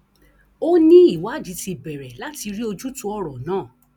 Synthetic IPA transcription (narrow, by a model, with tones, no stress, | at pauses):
o˦nĩ˦i˦˨wa˨˦˨d͡ʒi˨˦ti˧bɛ˨ɾɛ˨la˦ti˧ɾi˦o˧d͡ʒu˦tũ˧˦ɔ˦ɾɔ˨nãː˦˨